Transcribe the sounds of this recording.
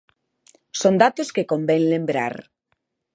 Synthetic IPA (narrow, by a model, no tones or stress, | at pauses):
sond̪at̪oskekombeŋlembɾa̰ɾ